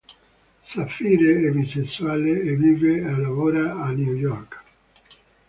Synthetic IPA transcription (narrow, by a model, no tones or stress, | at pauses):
safiːɾeɛviseswaleeviːvealavoɾaanjujɔɾk